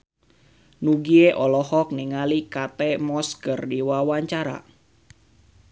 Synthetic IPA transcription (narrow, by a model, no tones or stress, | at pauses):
nuɡieʔɔlɔhɔk̚niŋalikat̪ɛmɔskərdiwawaɲt͡ʃaɾa̰